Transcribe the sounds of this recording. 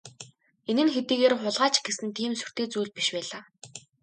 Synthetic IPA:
enɘ̆nxet̪iːɣeːrχʊɮʁaːt͡ɕɪ̥̆ɡesɘ̆nt̪ʰiːmsu̥r̥t̪eːt͡suːɮ̚piʃpæːɮaː

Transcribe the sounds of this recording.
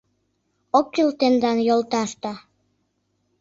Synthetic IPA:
ok̚ːilt̪end̪ɑnjolt̪ɑʃt̪ɑ

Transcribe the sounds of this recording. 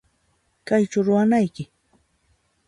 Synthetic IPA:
kajt͡ʃawɾʊwanajkɪ

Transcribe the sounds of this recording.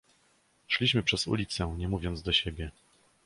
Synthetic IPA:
ʂlʲiɕmɘpʂɛzṵlʲit̪sɛɲɛmuvʲjɔnd̪zd̪ɔɕebʲjɛ

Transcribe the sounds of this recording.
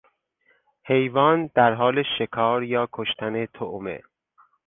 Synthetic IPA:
he̞jvɒːnd̪̥æɾɦɒːleʃekʰɒːɾjɒːkʰoʃt̪ʰænet̪ʰoʔmḛ

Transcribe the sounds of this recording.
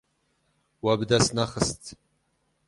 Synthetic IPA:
wabdasnaχəstʼ

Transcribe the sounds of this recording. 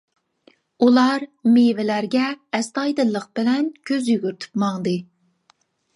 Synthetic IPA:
ulˠɑɾmevɪlæɾɡʲɛɛst̪ɑjd̪ɨlˠːəq̚b̥ɪlɛnkʲʰøzjyɡʲyɾt̪ʰy̥pmɑŋd̪ɨ

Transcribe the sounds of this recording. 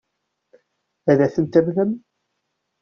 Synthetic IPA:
æðæθənt̪æmðəm

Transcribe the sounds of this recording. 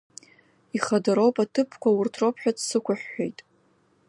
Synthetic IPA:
iχadaɾo̞wpʼatʰɨpʰkʷʰawʊrtʰrowpʰħᶣadʰsɨkʷʊħᶣːejtʼ

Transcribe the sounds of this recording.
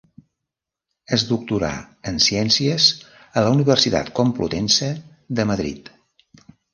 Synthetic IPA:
əzd̪uk̚t̪uɾa̰ | ənsiɛnsiəz | ələuniβərsit̪a̰t̪komplṵt̪ɛnsə | ðəməðɾḭt̪

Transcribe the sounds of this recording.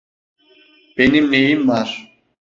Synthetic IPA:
b̥enimneimːaɾ

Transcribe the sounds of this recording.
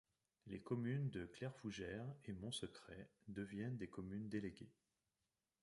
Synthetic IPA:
lekɔmynd̪əklɛʁfuʒɛʁemɔ̃səkχɛd̪əvjɛnd̪ekɔmynd̪eleɡʲe

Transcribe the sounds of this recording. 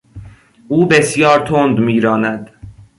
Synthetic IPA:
ʔuːbe̞sjɒːɾt̪ʰond̪miːɾɒːnæd̪

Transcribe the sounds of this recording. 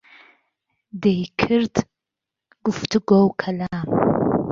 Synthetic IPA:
dejkʰɨrtʰ | ɡ̥ʷʊftʰɨɡʷowkʰɐlaː

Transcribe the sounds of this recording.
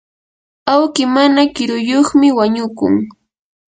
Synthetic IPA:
awkɪmanakɪɾʊjoχmɪwaɲʊkʊ̰ŋ

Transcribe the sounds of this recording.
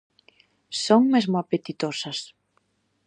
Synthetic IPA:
soŋmezmʊapet̪it̪osɐs

